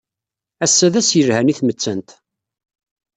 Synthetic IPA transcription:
æsːæðæsjəɾhæniθmət͡sːənt̪

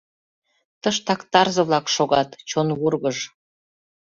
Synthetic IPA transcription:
t̪əʃt̪ɑkt̪ɑrzɤ̆βlɑkʃoɣɑt̪t͡ɕonβurɣəʒ

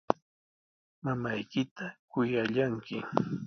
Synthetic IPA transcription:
mamajkɪt̪akʊjaʎaŋkɪ

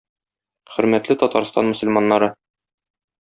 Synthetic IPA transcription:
χɵ̆ɾmæt̪lɘt̪ɒt̪ɑɾst̪ɑ̰nmɵ̆sɵ̆lmɑnːɑɾɤ

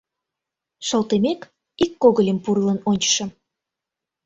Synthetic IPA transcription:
ʃəlt̪emek | ikːoɣəlʲempurlənonʲt͡ɕə̥ʃə̆m

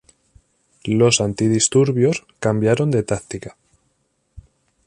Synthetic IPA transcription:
lo̞sant̪iðist̪uɾβjo̞skambjaɾo̞nd̪e̞t̪akt̪ikḁ

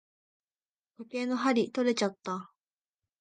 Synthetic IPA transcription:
koke̞ːno̞ɦaɾʲit̪o̞ɾe̞t͡ɕat̪ːa

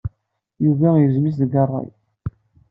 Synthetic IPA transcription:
juvæjəvzmis̬ðɡɑrˤːɑ̰j

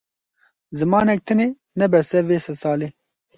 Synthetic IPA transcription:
zɨmɑːnɛk̚t̪ʰɨne | nɛbɛsɛveːsɐsaːleː

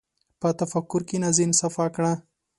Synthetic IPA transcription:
pət̪afakːʊɾkenazinsafakɽa

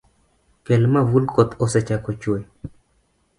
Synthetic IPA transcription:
kɛlmawulkot̪osɛt͡ʃakot͡ʃwoj

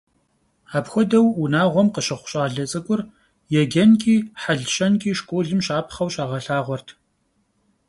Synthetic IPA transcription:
aːpxʷɔdɐwunaːʁʷɔmqəɕɨχʷʊ̥ɕʼaːɮɐt͡sʼɨkʷʼʊr | jɛɡʲɐnkʼiːħaɮɕɐnkʼiːʃkʷʼoːɮɨmʃɕaːpʰχɐwɕʼaːʁɐɬaːʁʷɔrtʰ

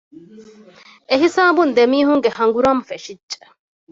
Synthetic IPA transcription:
eɦisaːbund̪emiːɦuŋɡehɐŋɡuɾaːmfeʂid͡ʒe̥

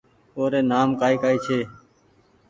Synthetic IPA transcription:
oːɾeːnaːmkaːiːkaːiːt͡ʃʰeː

